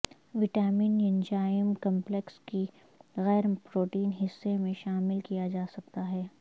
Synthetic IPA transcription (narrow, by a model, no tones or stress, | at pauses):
ʋɪʈaːmiːnjɪnd͡ʒaːjəmkɐ̃mplekski | ɣɛːɾpɾoːʈiːnɦɪsːemẽʃaːmɪlkijad͡ʒaːsɐk̚t̪aɦɛː